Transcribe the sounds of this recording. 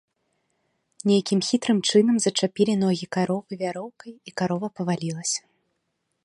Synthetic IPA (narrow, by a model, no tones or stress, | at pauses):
nʲejakʲimxʲit̪ɾɨmt͡ʂɨnɐmzɐt͡ʂapʲilʲinɔɣʲikaɾɔvɨvʲaɾɔwkɐjikaɾɔvɐpɐvalʲilˠɐsʲɐ̥